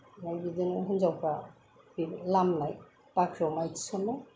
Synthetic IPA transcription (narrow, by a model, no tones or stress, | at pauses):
najbidinɦunzawpʰa | bilamnaj | pakʰɾawmajti̥sɔnaj